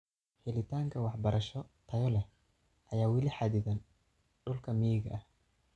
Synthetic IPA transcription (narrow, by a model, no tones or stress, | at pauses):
ħɪlɪt̪ʰaːŋkʰɐwɑħbɐɾɐʃɔt̪ʰɐjɔlɛh | ʔɐjaːwɪlɪħɑd̪ɪðɐn | ɖʊlkʰɐmijɪɡɐʔɐh